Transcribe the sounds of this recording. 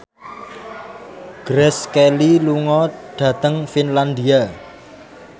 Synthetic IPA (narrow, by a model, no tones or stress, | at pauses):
ɡ̥ɾɛskeliluŋɔɖ̥ä̤t̪əŋfinland̪ia